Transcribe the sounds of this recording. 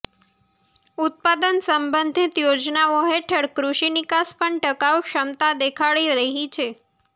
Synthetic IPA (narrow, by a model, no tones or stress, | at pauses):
ut̪̚pad̪ənsəmbənd̪ʱit̪jod͡ʒnaʋoɦeʈʰəɽkɾuʂinikaspəɳʈəkaʋkʃəmt̪ad̪ekʰaɭiɾəɦit͡ʃʰe